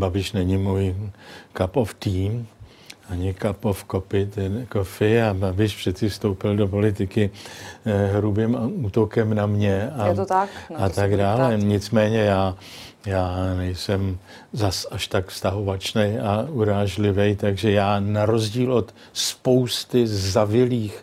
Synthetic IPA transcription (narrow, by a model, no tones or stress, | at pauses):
babɪʃnɛɲɪmuːjkapoft̪iːm | ʔaɲɪkapofkopɪt̪ɛkofɪababɪʃpr̥ɛt̪t͡sɪfst̪owpɪldo̞po̞lɪt̪ɪkɪ | ɦɾubɪmuːt̪o̞kɛmnamɲɛat̪t̪akat̪aɡdaːlɛɲɪt͡smɛːɲɛjaː | jaːnɛjsɛm | zasaʃt̪akfst̪aɦo̞vat͡ʃnɛjauɾaːʒlɪvɛjt̪aɡʒɛjaːnaɾo̞zɟiːlʔo̞t̪ | spo̞wst̪ɪzavɪliːx